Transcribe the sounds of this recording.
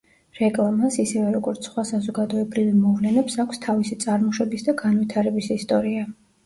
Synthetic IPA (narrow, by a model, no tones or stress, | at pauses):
ɾɛkʼlˠamasisɛvɛɾɔɡɔɾt̪sʰχwasazɔɡad̪ɔɛbɾivimɔvlɛnɛpsakʷʰst̪ʰavisit̪sʼaɾmɔʃwɛbisd̪aɡanvit̪ʰaɾɛbisist̪ʼɔɾia